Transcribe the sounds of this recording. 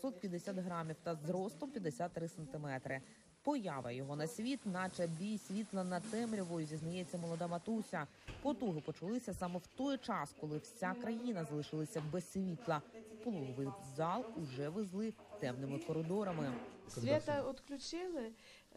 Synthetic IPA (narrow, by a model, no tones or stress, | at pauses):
sɔt̪̚pʲjɐd̪esʲat̪ɦɾɑmʲiwt̪ɐzɾɔst̪ˠɔmpʲjɐd̪esʲat̪ːɾɪsent̪ɪmɛt̪ɾɪ | pɔjaʋɐ̰jɔɦɔnɐsʲʋʲit̪nɑt͡ʃɛbʲijsʲʋʲit̪lˠɐnɐt̪ɛmɾʲɔʋɔjʊzʲiznɐjɛt͡sʲːɐmɔlˠɔd̪amɐt̪usʲɐ | pɔt̪uɦɪpɔt͡ʃʊlˠɪsʲɐsɑmɛwt̪ɔjt͡ʃɑskɔlˠɪwt͡sʲakɾɐjinɐzɐlˠɪʃɪlˠɪsʲɐbɛsʲʋʲit̪lˠɐpɔlˠuɦɔʋɪjzɑlˠʊʒɛʋɪzlˠɪ | t̪ɛmnɪmɪkɔɾɪd̪ɔɾɐmɪsʋʲɛt̪ɐɔt̪klʲʊt͡ʃɪlˠɪ